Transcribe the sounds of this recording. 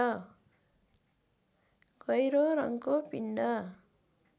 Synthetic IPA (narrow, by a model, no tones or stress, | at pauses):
ʌ | ɡʌjɾoɾʌ̰ŋkopiɳɖʌ